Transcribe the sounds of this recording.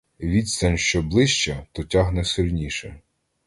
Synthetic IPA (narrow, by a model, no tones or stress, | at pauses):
ʋʲid̪st̪ɐnʲʃt͡ʃɔblˠɪʃt͡ʃɐt̪ɔtʲaɦnɛsɪlʲnʲiʃɛ